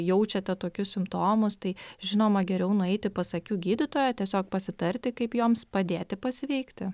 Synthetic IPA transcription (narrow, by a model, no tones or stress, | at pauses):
jɛʊt͡ʃʲɛt̪ʲɛt̪oːkʲʊssʲɪmpt̪oːmʊst̪ɐɪʒʲɪnoːmɐɡʲɛɾʲɛʊnʊɛɪt̪ʲɪpɐsɐkʲuːɡʲiːd̪ʲɪt̪oːjɛtʲiɛsʲoːk̚pɐsʲɪt̪ɐɾʲt̪ʲɪkɐɪpjoːmspɐd̪ʲeːt̪ʲɪpɐsʲʋʲɛɪkt̪ʲɪ